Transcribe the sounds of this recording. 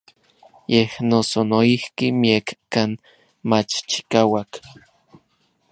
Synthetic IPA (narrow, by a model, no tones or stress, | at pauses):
jehnosonoihkimiekːan | mat͡ʃt͡ʃi̥kaːwak